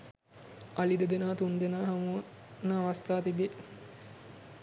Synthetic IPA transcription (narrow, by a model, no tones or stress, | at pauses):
alid̪ed̪enaːt̪und̪enaːɦɐmu | nːəːʋɐst̪aːt̪ibe